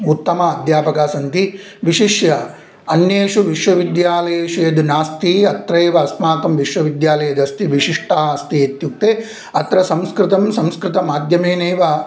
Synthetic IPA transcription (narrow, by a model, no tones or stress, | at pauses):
ut̪ːɐmɐːd̪ʱjaːpɐkaːsɐnt̪i | ʋiʂiʃjɐ | ɐnjeːʂuʋiʃʋɐʋid̪jaːlɐjeːʃujɐd̪naːst̪iɐt̪ɾɐːʋɐːsmaːk̪ɐmʋiʂʋɐʋid̪jaːlɐjɐd̪ɐst̪iʋiʂiʂʈaːɦɐɐst̪iet̪juk̚t̪eː | ɐt̪ɾɐsɐmskɾɪt̪ɐmsɐmskɾɪt̪ɐmaːd̪ʱjɐmeːneːʋɐ